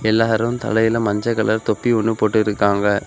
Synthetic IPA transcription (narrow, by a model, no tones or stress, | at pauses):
ɛlːaːɾɯmt̪ɐ̰lɐjɪlɐmɐɲd͡ʒɐkːɐɭɐɾt̪ɔpːiɔɳːɯpoːʈːɯɪɾɯkːaːŋɡɐ